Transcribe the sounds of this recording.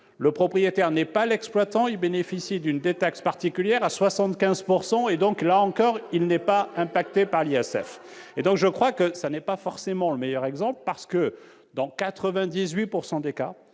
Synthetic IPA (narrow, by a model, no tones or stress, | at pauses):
ləpχɔpχijet̪ɛʁnɛpalɛksplwat̪ɑ̃ilbenefisid̪ynd̪et̪akspaʁt̪ikʲyljɛʁaswasɑ̃t̪kʲɛ̃zpuʁsɑ̃ed̪ɔ̃klaɑ̃kɔʁilnɛpaɛ̃pakt̪epaʁliɛsɛ̰fed̪ɔ̃kʒəkχwakəsanɛpafɔʁsemɑ̃ləmɛjœʁɛɡzɑ̃plpaʁsə̥kə | d̪ɑ̃kat̪χəvɛ̃d̪izɥipuʁsɑ̃d̪eka